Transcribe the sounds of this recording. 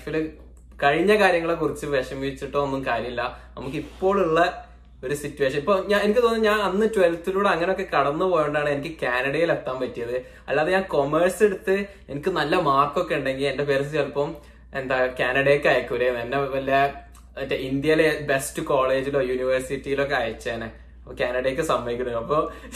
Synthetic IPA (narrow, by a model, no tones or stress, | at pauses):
fil | kɐɻiɲːɐkaːɾjɐŋːɐɭekurit͡ɕːɨʋeʂɐmiit͡ɕːiʈːoonːumkaːɾjɐmilːɐnɐmukːipːo̞ːɭuɭːɐ | o̞ɾusitːuʋe̞ːʂ̬ɐnipːoːɲaːenikʲːɨt̪oːnːɲaːnɐnːɨtuʋelft̪ːiluːɽeɐŋːɐneo̞kːe̞kɐɽɐnːupo̞ːjeɳɖaːɳɨenikʲːɨkaːnɐɽɐjilet̪ːaːmpɐtːijɐðɨ | ɐ̰lːaːðeɲaːnko̞merse̞ɽut̪ːɨ | enikʲːɨnɐlːɐmaːrkːo̞kːe̞uɳɖe̞ŋɡile̞nde̞peːɾs̬iɐlpːɐm | end̪aːjokaːnɐɽekːɐjɐkːuɾenenːeʋɐlːɐ | ndeind̪jɐlebe̞stɨkoːɭe̞ːd͡ʑilo̞ːjuːniʋɐrsitːijilokːe̞ɐjɐt͡ɕːɐeːne | ɐpːkʲaːnɐɽɐjkːɨsɐmːɐjikʲːunːɐɐpːo̞ː